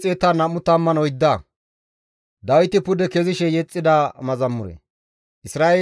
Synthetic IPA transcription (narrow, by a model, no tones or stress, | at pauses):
t͡sʼeːt̪anɐmʊt̪ɐmːɐnɔjd̪ːa | d̪ɐwɪt̪ɪpʊd̪ɛkɛzɪʃɛjɛt͡sʼːɪd̪aːmɐzɐmːʊɾɛ̰ | ʔɪsɾaːʔeː